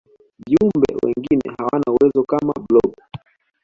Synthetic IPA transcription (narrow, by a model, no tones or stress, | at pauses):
viumbɛ̰wɛ̰ŋɡinɛhawanauwɛzɔkamablɔɓ